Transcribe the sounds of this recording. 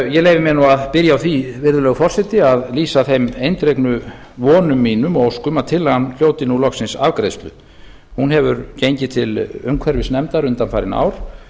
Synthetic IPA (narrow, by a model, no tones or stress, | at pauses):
jɛleːjvɪmɛnuaðpɪɾjaawθʰvivɪɾðʏlɛːɣfɔr̥sɛt̪ɪaðliːsaθejmejnt̪ɾejknʏ | vɔːnʏmːiːnʏmɔowskʏmaðt̪ʰɪlːaanl̥joːwt̪ɪnːulɔksɪnsavkɾejst̪lʏ̰ | hunɦɛvʏɾcejɲcɪt̪ʰɪlʏmkʰvɛɾvɪsnɛmt̪aɾʏnt̪anfaːjɾɪna̰ːwɾ̥